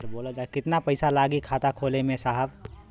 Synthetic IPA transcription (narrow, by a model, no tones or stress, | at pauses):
ɾboːlad͡ʒakɪt̪napəɪsalaːɡikʰaːt̪akʰoːlemẽsaɦəb